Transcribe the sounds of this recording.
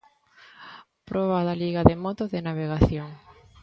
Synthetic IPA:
pɾʔɔβ̞aðaliɣaðemɔt̪ozðenaβ̞eɣaθjoŋ

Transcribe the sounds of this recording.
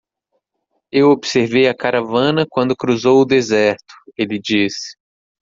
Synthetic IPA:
ewobseɾvejɐkaɾavɐ̃nɐkwɐ̃nd̪ʊkɾuzowʊd̪ezɛɾt̪ʊ̥elɪd͡ʒisɪ̥

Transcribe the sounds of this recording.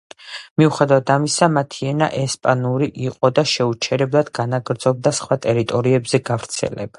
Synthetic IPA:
miuχɛd̪avat̪ʰamisamat̪ʰiɛna̰ʔɛspʼanuɾiʔiqʼɔd̪aʃɛut͡ʃʰɛɾɛblˠad̪ɡanaɡɾd̪zɔb̚d̪asχwat̪ʼɛɾit̪ʼɔɾiɛbzɛɡavɾt̪sʰɛ̰lɛ̰bḁ

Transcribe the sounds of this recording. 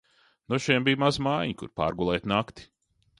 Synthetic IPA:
nuʃiɛmbijmazmajɲikṵɾpa̰ːɾɡulˠɛːt̪nakt̪i̥

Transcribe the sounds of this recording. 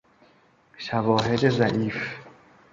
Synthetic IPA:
ʃævɒːɦed̪ezæʔiːf

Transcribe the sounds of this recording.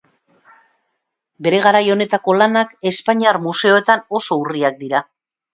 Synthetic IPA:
be̞ɾe̞ɣ̞aɾajo̞ne̞t̪ako̞lanake̞spaɲiarmuse̞o̞e̞t̪ano̞so̞uriak̚d̪iɾa

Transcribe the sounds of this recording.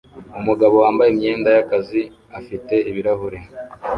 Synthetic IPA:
umuɡaβo̞waːmbajemɲe̞ːndajakazi | afite̞iβiɾaɦuɾe

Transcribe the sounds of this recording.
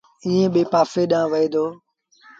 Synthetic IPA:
ɪːẽːɓeːpaːfeːɗãːʋəiːd̪oː

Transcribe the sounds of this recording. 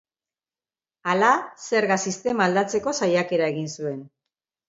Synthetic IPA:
alase̞ɾɣasist̪e̞maːld̪at͡se̞ko̞sajake̞ɾaeɣinsue̞n

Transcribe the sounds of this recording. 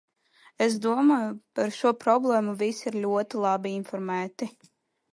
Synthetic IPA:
es̬d̪uɔmaːjupaɾʃuɔpɾɔblˠɛːmuvʲisiɾlʲuɔt̪ilˠabiinfɔɾmæːt̪i

